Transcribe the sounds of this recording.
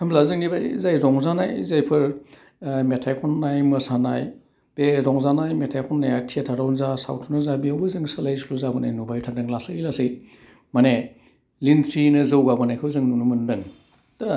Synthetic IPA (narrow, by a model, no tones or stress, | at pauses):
hʰɐmblazɯŋnibajzajɾɔŋzanajzajpʰɯɾ | metʰajkʰɔnːajmɯsanaj | b̥eɾɔŋzanajmetʰajkʰɔnːajatʰiatʰaɾawnzasa̰wtʰunɐzabiawbɯzɯŋsɯlajsuluzabɐnajnubajtʰaŋdɯŋlasɯkilasij | mane | lintʰɾinɯzɐwɡabɯnajkʰɯwzɯŋnunumɯndɯŋ | tɐ